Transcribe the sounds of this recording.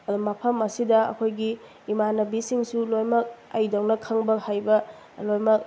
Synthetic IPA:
ɐdumɐpʰɐmɐsidɐɐ̰kʰojɡiː | manɐbisiŋsulojmɐk̚ɐjdawnɐkʰɐŋbɐhajbɐ | lojmɐk̚

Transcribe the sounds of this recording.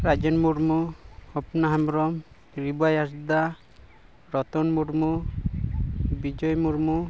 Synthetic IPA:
ɾad͡ʒɔnmuɾmuɔpnaɦamɾɔm | ɾibajas̬d̪a | ɾɔt̪ɔnmuɾmu | bid͡ʒɔjmuɾmu

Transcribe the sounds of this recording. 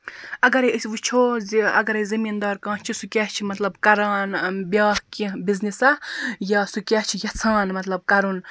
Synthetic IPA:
ɐɡɐɾesʋut͡ʃʰoːzɐ̰ɡɐɾezʲɐmind̪aːɾkãːt͡ʃʰisukʲaːt͡ʃʰimɐt̪lɐbkɐɾãːnbʲjaːhkĩbiznisɐjaːsukʲaːt͡ʃʰijɐt͡sʰãːnmɐt̪lɐb̚kɐɾun

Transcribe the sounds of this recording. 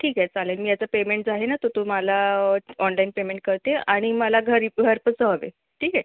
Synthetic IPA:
ʈʰiːkɛt͡salelmiːjat͡səpemeɳʈd͡zaɦenat̪ot̪umalaɔnlainpemeɳʈ̚kəɾt̪eaɽ̃imalaɡʱəɾɡʱəɾpət͡səɦəʋḛ | ʈʰiːkɛ

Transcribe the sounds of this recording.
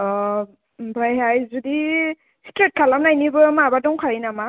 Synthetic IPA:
ɔ | bajɦajzudi | sitɾet̚kʰalamnajnibɯmabadɔŋkʰaɹinama

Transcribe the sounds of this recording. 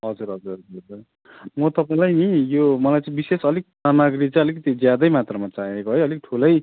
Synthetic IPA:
ɦʌd͡zuɾɦʌd͡zuɾɦʌd͡zuɦʌd͡zur | mʌt̪ʌpaĩlajnijomʌlajt͡sãĩbisesʌlik̚samaɡrit͡sãj̃ʌlikʌt̪id͡zjad̪ʌjmat̪rʌmat͡saekoɦʌjʌlik̚ʈʰulʌj

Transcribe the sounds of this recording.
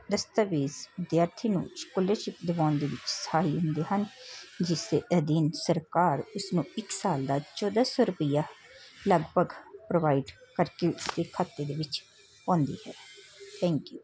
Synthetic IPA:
d̪əst̪aʋeːzʋɪd̪jaːɾt̪ʰiːnṵ̃ːʃkoːləʃɪpd̪ɪʋaːnd̪eːʋɪt͡ʃsə̥haːɦiːɦʊ̃nd̪eːɦənd͡ʒɪseʔəd̪iːnsəɾkaːɾʊsnũːɪksaːld̪aːt͡ʃɔːd̪aːsoːɾʊpəjaː | ləɡbʱəɡpɾoːʋaːiɖkəɾkeʊsd̪eːkʰaːt̪ːeːd̪eːʋɪt͡ʃ | ɔ̃ːnd̪ḭːhɛː | t̪ʰɛ̃ːŋkjuː

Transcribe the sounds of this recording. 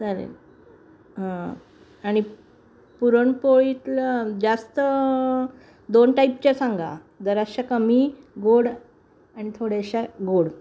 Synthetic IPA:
d͡zaɾḛ | ɦã | aɽ̃i | puɾəɳpoɭit̪ld͡ʑast̪ə | d̪onʈaip̚t͡ɕasaŋɡa̰ | d̪əɾaɕakəmi | ɡoɽ | aɽ̃it̪ʰoɽjaɕaɡoɽ

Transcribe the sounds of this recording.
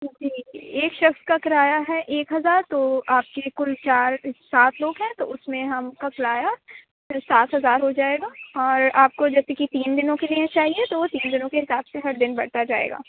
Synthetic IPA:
d͡ʒiːeːkʃɐxskakɪɾaːjaɦɛʔeːkɦɐzaːɾt̪oaːp̚kekʊlt͡ʃaːɾsaːt̪ʰloːɡɦɛ̃t̪oʊsmẽɦɐmkɐklaːja | saːt̪ɦɐzaːɾɦod͡ʒaːeːɡaːɔːɾaːp̚kod͡ʒɐt̪ikit̪iːnd̪ɪnõkeliẽt͡ʃaːɦiet̪oʋot̪iːnd̪ɪnõkeɦɪsaːbseɦɐɾd̪ɪnbɐ̰ɽ̤t̪ad͡ʒaːḛːɡa̰ː

